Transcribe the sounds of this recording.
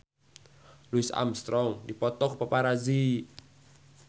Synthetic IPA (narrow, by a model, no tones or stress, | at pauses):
luisa̰mst̪ɾɔŋdipɔt̪ɔk̚papaɾazi